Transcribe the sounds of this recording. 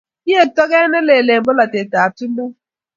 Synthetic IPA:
i˦e˦˨tɔ˦ɣe˦ne˦le˨le˨m̩˨bʊ˦la˨te˨ta˨a˨tu˦o˦

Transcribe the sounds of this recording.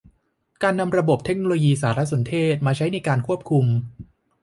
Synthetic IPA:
kaː˧nːa˧mɾa˧bo˨˩p̚t̪ʰe˦˥k̚no˧loː˧jiː˧saː˩˦ɾa˦˥so˩˦nt̪ʰeː˥˩t̪̚maː˧t͡ɕʰa˦˥jna˧jkaː˧nkʰu˥˩əp̚kʰu˧m

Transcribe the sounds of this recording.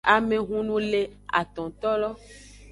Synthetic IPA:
a˨mẽ˨ɦũ˦nũ˦le˦a̰˨t̪ɔ̃˨t̪ɔ˦lɔ˦

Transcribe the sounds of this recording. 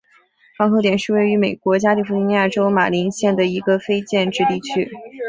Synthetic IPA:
xɑ˧˥ŋxt̪jɛ˨˩nʂɻ̩˥˧we˥˩ɪy˧˥me˨˩ɪkwɔ˧˥t͡ɕja˥li˥˩fu˥˩i˥ni˧ja˥˩ʈ͡ʂo˥ʊma̰˨˩li˧˥nɕjɛ˥˩nd̪ə˩i˧˥ɡə˧fe˥ɪt͡ɕjɛ˥˧nʈ͡ʂɻ̩˥˧t̪i˥˩t͡ɕʰy˥

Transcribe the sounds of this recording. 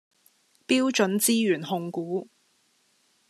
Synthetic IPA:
piː˥wt͡ʃɵ˨˥nt͡siː˥jyː˨˩nhʊ˨˧ŋkuː˨˥

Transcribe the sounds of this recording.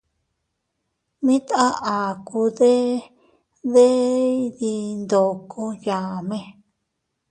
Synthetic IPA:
mĩ˦t̪a˦ʔa˨ku˧ðe˦ | ðe˦ði˧nd̪o˨kʰõ˦jã˨mẽ˧

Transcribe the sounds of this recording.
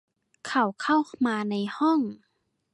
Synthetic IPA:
kʰa˧˩wkʰa˥˩˨wmaː˧na˧jhɔ˥˩˨ŋ

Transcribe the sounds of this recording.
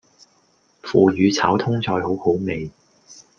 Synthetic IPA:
fuː˨jyː˨˧t͡sʰaː˨˥wt̪ʰʊ˥ŋt͡sɔː˧jho˨˥who˨˥wme˨j

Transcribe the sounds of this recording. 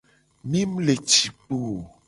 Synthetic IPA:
mĩ˦m˦le˨t͡ʃi˨k͡po˨

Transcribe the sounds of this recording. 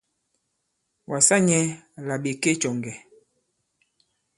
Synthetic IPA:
wa˨sa˦ɲɛ˦la˨ɓe˨ke˦t͡ʃɔ˨ŋɡɛ˨

